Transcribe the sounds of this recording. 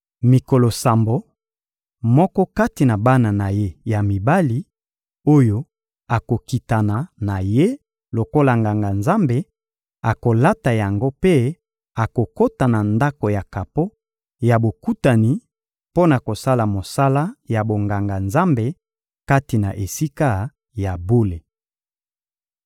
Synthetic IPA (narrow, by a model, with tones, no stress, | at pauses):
mi˨ko˨lo˨sa˨mbo˨ | mɔ˦kɔ˦ka˦ti˨na˨ba˦na˨na˨je˦ja˨mi˨ba˦li˦ | o˦jo˦ | a˨ko˨ki˨ta˨na˨na˨je˦ | lo˨ko˦la˨ŋɡa˨ŋɡa˨nza˦mbe˨ | a˨ko˨la˦ta˨ja˨ŋɡo˦pe˦ | a˨ko˨ko˦ta˨na˨nda˦ko˨ja˨ka˨po˦ | ja˨bo˨ku˦ta˨ni˨ | po˦na˨ko˨sa˦la˨mo˨sa˦la˦ja˨bo˨ŋɡa˨ŋɡa˨nza˦mbe˨ | ka˦ti˨na˨ʔe˨si˦ka˦ | ja˨bo˦le˨